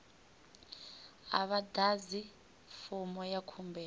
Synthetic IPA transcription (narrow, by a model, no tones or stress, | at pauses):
a̰βadazi | fɔmɔjakʰumbɛ